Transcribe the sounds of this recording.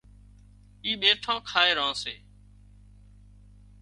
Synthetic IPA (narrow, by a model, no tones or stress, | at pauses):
iːɓeːʈʰãːkʰaːeːɾãːseː